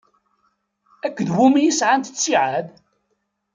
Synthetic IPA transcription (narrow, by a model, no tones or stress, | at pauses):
ækʷːəðwumijisʕant̪ə̥t͡sːiʕað